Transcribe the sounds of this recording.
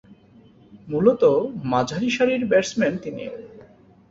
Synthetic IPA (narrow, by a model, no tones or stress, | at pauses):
mulot̪omad͡ʑʱaɾiʃaɾiɾbɛɾsment̪inḭ